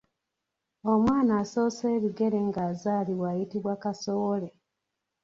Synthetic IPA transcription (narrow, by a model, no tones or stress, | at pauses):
omwaːnaːso̞ːseːβiɡe̞ɾe̞ŋɡaːzaːliwaːjitiβwakaso̞wo̞le̞